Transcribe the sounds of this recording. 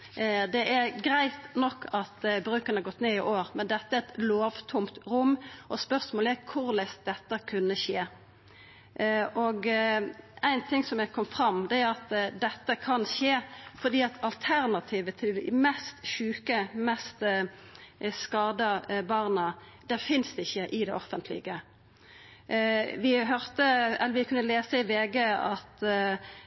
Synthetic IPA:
d̪ɛʔæɾɡɾæɪt̪nɔkʰːɑt̪bɾʉːkəɾnəɑɾɡɔt̪ːneːɪʔoːʁmɛnd̪ɛt̪ːəæɾɛt̪loːʋt̪ʰʊmt̪ʁʊmːʔɔspœʁsmoːləæɾkʰʊʁlɛst̪̚d̪ɛt̪ːəkʰʉnːəʃeː | ʔɔɡ | æɪnt̪ʰɪŋsɔmæɪkʰɔmːfʁɑmːd̪ɛæʁɑt̪d̪ɛt̪ːəkʰɑnʃeːfɔd̪iːɑt̪ʰɑlt̪ʰæʁnɑt̪ʰiːʋət̪ʰɪlmɛst̪ʃʉːkəmɛst̪ | skɑːd̪əbɑʁnə | d̪̥æʁfɪnsd̪ɛɪçːəʔɪd̪ɛ̰ʔɔfənt̪ʰlɪ̰ɡə | ʋɪɦœʁt̪əɛlːəʋɪkʰʉnːəleːsəɪʋeːɡəɑt̪

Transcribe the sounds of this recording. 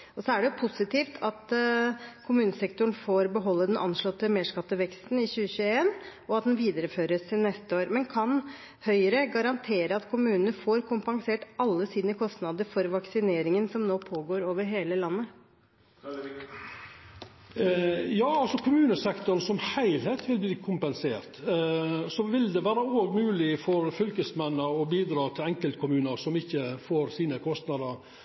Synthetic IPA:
ʔɔsɔæɖɛjʊpʰʊsɪt̪iːft̪ʰɑt̪ | kʰʊmʉːnəsɛkt̪ʊɳ̩foːɾbəɦɔlːəd̪ɛnʔɑ̰nʂɭɔt̪ːəmeːʂkɑt̪ːəʋɛkst̪n̩ɪçʉːəɕʉːəeːnʔɔɑt̪̚d̪ɛnʋiːd̪əɾəføːɾəsɪnɛst̪əoːɾmɛnkʰɑn | hœʏəɾəɡɑɾɑnt̪ʰeːɾəɑt̪kʰʊmʉːnənəfoːɾkʰʊmpɑŋseːʈɑlːəsiːd̪nəkʰɔst̪nɑd̪əɾfɔɾʋɑksɪneːɾɪŋənsɔmnoːpʰoːɡoːɾoːʋəɾɦeːləlɑnːə | jɑːɑlsɔkʰʊmʉːnəsɛkt̪ʊɾnsɔmhæɪlheːt̪ʰʋɪlbliːkʰʊmpɛnseːɾt̪ | sɔʋɪld̪ɛʋæːɾəoːɡmʉːlɪfɔɾfʏlkəsmɛnːəɔbiːd̪ɾɑːt̪ʰɪlɛŋkəlt̪̚kʰʊmʉːnəɾsɔmɪçːəfoːɾsiːnəkʰɔst̪nɑd̪əɾ

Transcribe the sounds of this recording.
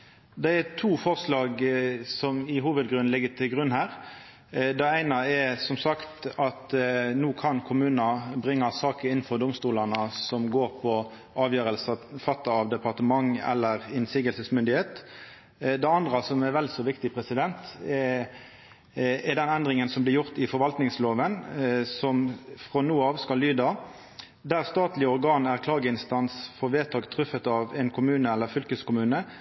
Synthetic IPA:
d̪ɛɛt̪ʰuːfɔʁslɑːɡsɔmɪɦuːʋəd̪̚ɡɾʉnlɪɡət̪ʰɪlɡʁʉnːhæːɾ | d̪ɛæɪnɑɛsɔmsɑkt̪ɑt̪nuːkʰɑnkʰʊmʉːnɑbɾɪŋːɑsɑːkəɪnːn̩fɔɾd̪ʊmst̪uːlɑnəsɔmɡoːɾpʰɔ | ɑːʋjøːɾəlsɑfɑt̪ːɑɑʋd̪ɛpɑʁt̪əmɑŋɛ̰lːəɾɪnsiːɡəlsəsmʏnd̪ɪheːt̪ | d̪ɛɑnd̪ɾɑsɔmæɾʋɛlsoːʋɪkt̪ɪpʰʁɛsɪd̪ɛnt̪ | ɛd̪ɛnɛnd̪ʁɪŋənsɔmblɪɾjʊʁt̪ɪfɔɾʋɑlt̪nɪŋsloːʋənsɔmfʁɔnuːəɑːʋskɑlːyːd̪ɑ | d̪æʁst̪ɑːt̪lɪəɔɾɡɑːnæʁkʰlɑːɡəɪnst̪ɑnsfɔʁʋeːt̪ʰɑːɡt̪ʰʁʉfət̪ɑʋɛnkʰʊmʉːnəælːəfʏlkəskʊmʉːnə

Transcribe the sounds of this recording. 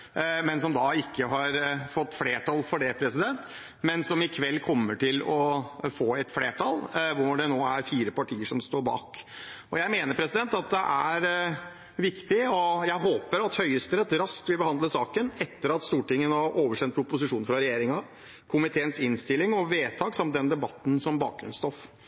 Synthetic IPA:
mɛnsɔmd̪ɑɪkːəɦɑɾfɔt̪ːfleːʈʰɑlfɔɖɛpʰɾɛsɪd̪ɛnt̪ | mɛnsɔmɪkʰʋɛlːkʰɔmːəʈʰɪlɔfoːɛt̪fleːʈʰɑlʋʊɖɛnoːæɾfiːɾəpɑʈʰiːəʂɔmst̪oːɾbɑ̰ːkɔjæɪmeːnəɾpʰɾɛsɪd̪ɛnt̪ɑt̪̚d̪ɛʔæɾ | ʋɪkt̪ɪɔjæɪɦoːpəɾɑt̪hœʏəst̪əɾət̪ɾɑskt̪ʋɪlbəhɑnd̪ləsɑːkənɛt̪ːəɾɑt̪st̪uːʈɪŋːənɑɾʔoːʋəʂɛnt̪̚pʰɾʊpʊs̬ɪʂuːn̩fɾɑɾɛjeːɾɪŋɑ | kʰʊmɪt̪ʰeːənsɪnst̪ɪlːɪŋɔʋeːt̪ʰɑːksɑmd̪ɛnd̪ɛbɑt̪ːn̩sɔmbɑ̰ːk̚ɡɾʉ̰nst̪ɔf

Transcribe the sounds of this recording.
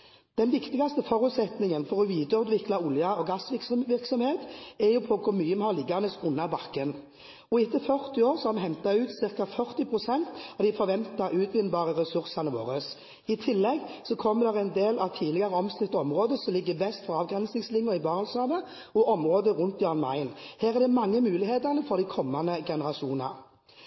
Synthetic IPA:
d̪̥ɛnʋɪkt̪ɪɡɑst̪əfɔʁʉt̪sɛt̪nɪŋənfɔʁɔʋiːd̪əʉd̪ʋɪklɑʊljɑɔɡɑsʋɪksmʋɪʁksɔmheːt̪ɛjʊpʰɔkʰʊɾmyːəmɛhɑːlɪɡːɑʁnəsʊnːɑbɑkːən | ɔɪt̪ːəfœʁt̪ɪoːɾsɔhɑɾmɛɦɛnt̪ɑʉːt̪sɪʁkɑfœʁt̪ɪpʰʁʊsɛnt̪ɑʋd̪ɪfɔɾʋɛnt̪ɑɾʉːt̪ʰʋɪnːbɑːʁəʁɛsʉʁsɑnəʋo̰ːʁəs | ɪt̪ʰɪlːɛɡsɔkʰɔmːəd̪ɛʁæɪnd̪eːlɑʋt̪ʰiːlɪɡɑʁəɔmsnɪt̪ːəɔmʁoːd̪əsɔmlɪɡːəʋɛst̪fɔʁɑːʋɡʁɛnsnɪŋslɪŋːjʊɪbɑːʁɑlsɑːd̪ə | ɔʔɔmɾoːd̪əʁʊnt̪jøːnmɑ̰ɪnheːʁæʁd̪ɛmɑŋːəmʉːlɪheːt̪əʁnəfɔʁd̪æɪkʰɔmːɑnəɡɛnəʁɑʂuːnɑ̰

